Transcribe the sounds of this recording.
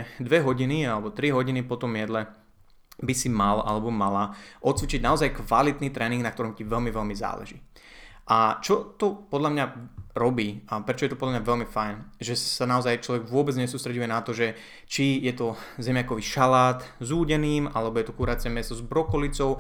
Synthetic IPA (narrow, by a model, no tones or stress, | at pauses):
d̪ʋɛɦɔɟinialɛbɔt̪ɾiɦɔɟinipɔt̪ɔmjɛd̪lɛ | bisimalʔa̰lɛbɔmalaʔɔt̪t͡sʋit͡ʃiɟnaɔzajkʋalit̪niːt̪ɾɛːniŋɡnakt̪ɔɾɔmciʋɛlmiʋɛlmiza̰ːlɛ̰ʒḭː | ʔat͡ʃɔt̪ɔpɔd̪lamɲaɾɔbiːapɾɛt͡ʃɔjɛt̪ɔpɔd̪lamɲaʋɛlmifajnʒɛsanaɔzajt͡ʃlɔʋɛɡʋʊɔbɛd͡zɲɛsuːst̪ɾɛɟujɛnat̪ɔʒɛ | t͡ʃijɛt̪ɔzɛmɪjakɔʋiʃalaːt̪zuːɟɛniːmalɛbɔjɛt̪ɔkuɾaːt͡sɪɛmjɛst̪ɔzbɾɔkɔlit͡sɔʊ